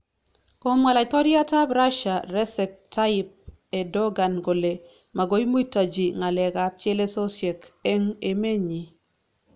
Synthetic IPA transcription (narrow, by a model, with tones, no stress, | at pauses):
ko˦mŋa˨la˨ɪ˨t̪ɔ˦ɾja˦ta˦bɾa˦ʃa˨ɾɛ˦sɛ˨p̚tʰa˦ɪ˦p̚ | e˨dɔ˦ɡa˨nɡo˨le˨ | ma˨ɡo˦i˦mu˦i˦ta˨d͡ʒi˨ŋa˨lɛ˨ka˨p̚t͡ʃe˦le˦so˦sje˨ke˦ŋe˨me˦ɲi˨